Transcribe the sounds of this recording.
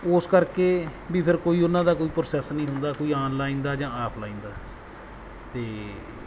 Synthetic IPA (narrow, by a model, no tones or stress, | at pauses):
ʊskəɾkeːʋiːpʰɪɾkoːiːʊnãːd̪aːkoːiːpɾosɛsnĩːɦʊnd̪aːkoːiːaːnlaːĩːnd̪aːd͡ʒãːaːpʰlaːĩːnd̪aː | t̪eː